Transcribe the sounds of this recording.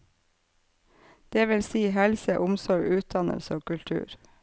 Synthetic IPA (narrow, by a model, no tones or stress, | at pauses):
d̪̥eːʋɪlsiːhɛlsəʔʊmsɔɹɡʉːt̪̚d̪ɑnə̰lsəoːkʉlt̪ʰʉ̰ːɾ